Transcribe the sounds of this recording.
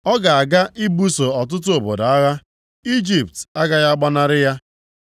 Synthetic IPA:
ɔ˦ɡa˨a˨ɡa˦ʔi˦bu˦so˨ɔ˨t̬ʊ˦t̬ʊ˦o˨bo˨da˨a˦ɣa˦ | i˦d͡ʒi˨p̚ta˦ɡa˦ɣa˦ɡ͡ba˦na˦ɾɪ˦ja˦

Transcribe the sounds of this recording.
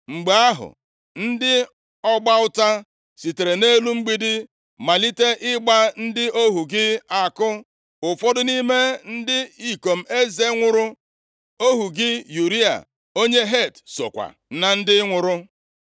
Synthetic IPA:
ŋ͡m̩˨ɡ͡be˨a˦ɦʊ̰˨ | n̩˦dɪ˦ | ɔ˦ɡ͡ba˦ʊ˦ta˦ | si˨te˨ɾe˨ne˦lu˦ŋ͡m̩˦ɡ͡bi˦dɪ˦ | ma˨li˦te˦ʔɪ˦ɡ͡ba˦n̩˦dɪ˦ʔo˦ɦu˨ɡɪ˦a˨kʊ˦ | ʊ˨fɔ˦dʊ˦ni˦me˦n̩˦dɪ˦i˦˨ko˨m̩˨˦e˦ze˦ŋʷʊ˨ɾʊ˦ | o˦ɦu˨ɡɪ˦ju˨ɾi˦a̰˨ | o˦ɲe˦ɦe˦˨tso̰˨kʷa̰˨ | na˨n̩˦dɪ˦ŋʷʊ˨ɾʊ˦

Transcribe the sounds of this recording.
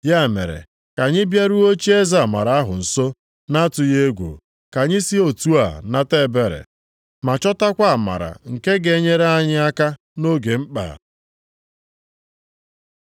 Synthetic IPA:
ja˦˨mḛ˨ɾḛ˨ | ka˨ɲɪ˦bja˦ɾu˦o˦t͡ʃi˦e˦za˨ma̰˨ɾa˨˦a˦ɦʊ˨n̩˨so˦ | na˦a˦tʊ˨je˦ɡʷo̰˨ | ka˨ɲɪ˦si˦o˨tu˦a̰˨na˦te˦be˦ɾḛ˨ | ma˨t͡ʃɔ˦ta˦kʷa˦a˨ma̰˨ɾa̰˨ŋ̩˨ke˦ɡe˨˦ɲe˦ɾa˦ɲɪ˦a˦ka˦ | no˦ɡe˨m̩˦k͡pa̰˨

